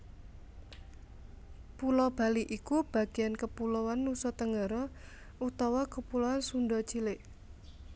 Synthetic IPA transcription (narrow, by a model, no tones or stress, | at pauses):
pulɔb̥a̤liʔikub̥a̤ɡ̥iankəpulɔwanːusɔt̪əŋɡaɾɔ | ut̪awakəpulɔwansundɔt͡ʃilɪʔ